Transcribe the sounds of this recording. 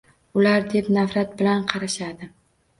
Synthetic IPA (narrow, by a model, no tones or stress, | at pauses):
ʊlaɾd̪e̞pnafɾat̪̚bɪlanqʰɑɾaʃad̪ɪ